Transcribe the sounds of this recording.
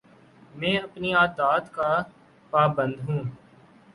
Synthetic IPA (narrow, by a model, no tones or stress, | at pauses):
mɛ̃ːɐpniaːd̪aːt̪ka | paːbə̃nd̪ɦũː